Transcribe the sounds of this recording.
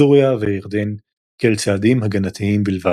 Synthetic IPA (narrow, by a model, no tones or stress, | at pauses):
uʁjaveiʁd̪en | kelt͡saːd̪imɦaɡanat̪ʰiimbilva